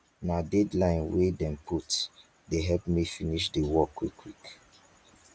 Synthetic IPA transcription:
nadɛdlãɪ̃nwedɛ̃mpʰut | deɦɛlpmifiniʃdewɔkwikʰːwik

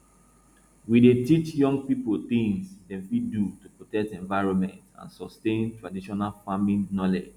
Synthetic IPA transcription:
widetit͡ʃjɔ̃ŋɡ̚pipolt̪ĩŋsdɛ̃fidutupɹɔtɛk̚tɛ̃ɱvaɪɹɔ̃nmɛ̰̃ntã̰nsɔstẽntɹadiʃɔnalfamĩnnɔlɛd͡ʒ

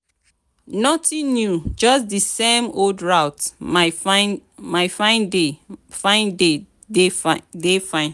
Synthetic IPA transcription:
nɔtĩnjud͡ʒɔsdisemoldɹawta | maɪfãɪ̃ndefãɪ̃nde | dedefãɪ̃n

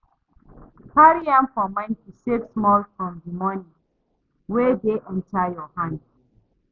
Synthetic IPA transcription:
haɹiãmfɔmãɪ̃ntiseksmɔlfɹɔ̃mdimɔnĩ | wedeʔɛ̃ntʰajɔhãnd

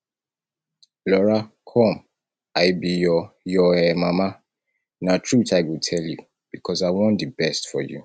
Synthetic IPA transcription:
lɔɹa | kʰɔ̃m | aɪbijɔjɔɛmama | natʰɹuθaɪwitʰɛlju | b̥ikʰɔzaɪwɔ̃ndəbɛstfɔ̰jṵ

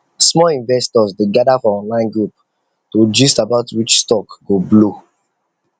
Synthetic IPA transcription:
smɔĩnvɛstɔzdeɡadafɔɔ̃nlãɪ̃nɡɹup | tod͡ʒistabaʊtwit͡ʃstɔkɡ̥oblo

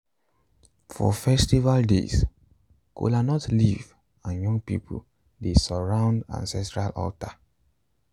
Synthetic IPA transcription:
fɔ̰fɛstivaldḛs | kʰo̰lanɔtliv | ãnjɔ̃ŋɡ̚pḭpʰṵl | desɔɹãʊ̃ndã̰nsɛstɹalɔ̰lta

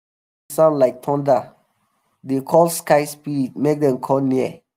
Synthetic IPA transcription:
sãʊ̃ndlaɪk̚tʰɔ̃nda | dekʰɔlskaɪspid̚mek̚dɛ̃mkʰɔlniə

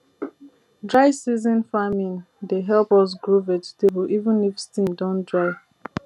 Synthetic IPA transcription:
dɹaɪsizɔ̃nfamĩn | deɦɛlpɔs̬ɡɹovɛtstebɔlʔivə̃nifstĩmdɔ̃ndɹaɪ

